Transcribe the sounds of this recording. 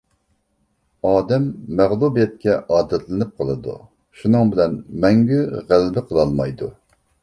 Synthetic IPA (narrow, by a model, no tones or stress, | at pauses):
ɑːd̪ɛmːæʁlˠubijɛt̪̚kʲɛʔɑːd̪ɛt̪lɪnɪp̚qʰəlˠɨd̪ṵ | ʃunɨŋbɪlɛnmɛŋɡʲyʁælbɪqʰəlˠɑlˠmɑjd̪u